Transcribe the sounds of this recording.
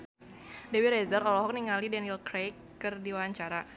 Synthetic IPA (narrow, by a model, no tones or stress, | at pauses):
dɛwiɾɛzaɾɔlɔɦɔk̚niŋalidɛnilkɾejkː | ɨrdiwaaɲt͡ʃaɾa